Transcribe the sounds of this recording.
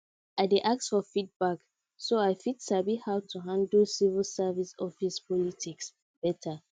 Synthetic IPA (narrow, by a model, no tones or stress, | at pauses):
aɪdeʔak̚sfɔfit̚bak | soaɪfitsabihawtʰuɦãndl̩sivəlsavisɔfispʰɔlitʰiks | b̥ɛtʰa